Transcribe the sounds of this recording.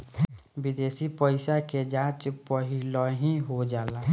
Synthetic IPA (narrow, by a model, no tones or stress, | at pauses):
bɪd̪eːsipəɪsaked͡ʒãːt͡ʃpəɦilɔɦĩɦod͡ʒaːla